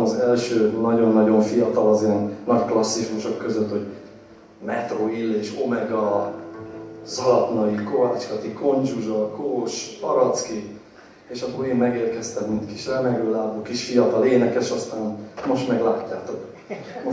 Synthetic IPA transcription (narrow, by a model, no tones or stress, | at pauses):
ɒzɛlʃøːnɒɟo̞nːɒɟo̞ɱfijɒt̪ɒlɒziɛnːɒcklɒsːiʃmuʃo̞kːø̞zøt̪ho̞ɟ | mɛt̪roilːeːʃo̞mɛɡɒ | zɒlɒt̪nɒikovaːt͡ʃkɒt̪iko̞nd͡ʒuʒɒkoːʃpɒ̰ɾɒt̪ski | eːʃɒboɾeːmːɛɡeːrkɛst̪ɛmmint̪kiʃlɛmɛɡøːlaːboːkiʃfijɒt̪ɒleːnɛkɛʃɒst̪aːnmo̞ʃt̪mɛɡlaːcːaːt̪o̞k